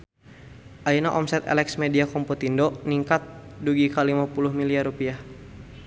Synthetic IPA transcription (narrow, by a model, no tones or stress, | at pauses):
ʔainaʔɔmsɛt̪ɛ̰lɛksmediakɔmpɔt̪indɔʔniŋkat̪̚duɡikalimapulʊhmiliarupiah